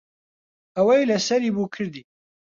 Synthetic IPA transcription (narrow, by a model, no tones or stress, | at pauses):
ɐwɛjlɐsɐɾiːbukʰɨɾd̪i